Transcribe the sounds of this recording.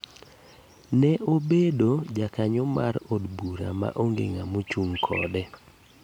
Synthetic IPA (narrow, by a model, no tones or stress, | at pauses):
nɛʔobedod͡ʒakaɲɔma̰ɾodbuɾa̰ma̰ʔoŋɡḛŋamot͡ʃuŋkʰɔ̰dɛ